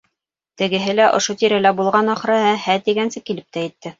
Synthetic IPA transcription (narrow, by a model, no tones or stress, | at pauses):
t̪ɘ̆ɡɘ̆ɦɘlæʔŏ̰ʃot̪iɾælæbulˠʁɑnɑχɾɤæhæt̪iɡænsɘkilɘp̚t̪æjɘ̆t̪ːɘ